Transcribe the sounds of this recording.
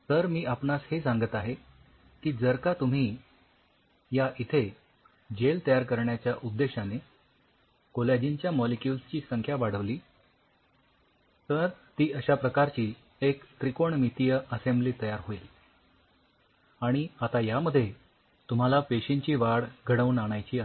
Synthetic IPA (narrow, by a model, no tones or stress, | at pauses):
t̪əɾmiːapnashesãŋɡət̪aɦe | kiːd͡zəɾkat̪um̤iː | jaʔit̪ʰe | d͡ʑelt̪əjaɾkəɾɳjat͡ɕjaʔud̪ːeɕane | koljad͡ʑiɲt͡ɕjamɔlikjulst͡ɕiːsəŋkʰjaʋaɽ̤əʋliː | t̪əɾt̪iːəɕapɾəkaɾt͡ɕiː | ekt̪ɾikoɳmit̪ijəʔəsembliːt̪əjaɾɦoil | aɽ̃iat̪ajaməd̪ʱje | t̪um̤alafeɕiɲt͡ɕiːʋaɽɡʱəɽəuːnaɽ̃ajt͡ɕiːa